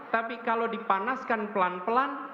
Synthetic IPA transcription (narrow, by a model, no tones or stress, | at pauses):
t̪apikalodipanaskanpəlanpəlan